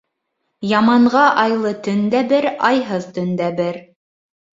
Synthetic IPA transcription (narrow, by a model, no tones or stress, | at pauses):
jɑmɑɴʁɑʔɑjlˠɤt̪ɵ̆nd̪æbɘɾɑjɦɤðt̪ɵ̆nd̪æbɘɾ